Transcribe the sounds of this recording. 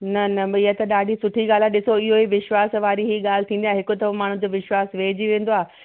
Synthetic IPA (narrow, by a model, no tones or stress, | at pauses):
nɐnɐɪɦət̪ɐɗaːɖʱisʊʈʰiɡaːl̤ãɗɪsoɪɦoiʋɪʃʋaːsʋaːɾiɦiɠaːl̤ɪ̆t̪ʰĩːnd̪iaːɦɪkʊt̪ɐʋɐmaːɳ̤̃ʊ̃d͡ʑoːʋɪʃwaːsʋeːd͡ʑiʋẽːn̆d̪oaː